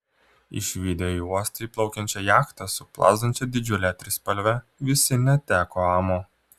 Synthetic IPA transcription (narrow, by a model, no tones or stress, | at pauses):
ɪ̰ʃʲʋʲid̪ʲɛuɔsʲt̪ɐiplˠɒʊkʲɛnʲt͡ʃʲɛjæːxt̪ɐsʊplˠɑ̰ːzd̪ɐnʲt͡ʃʲɛd̪ʲɪd͡ʒʲʊlʲɛt̪ʲɾʲɪspɐlʲʋʲɛ | ʋʲɪsʲɪnʲɛt̪ʲæːkoːɑːmoː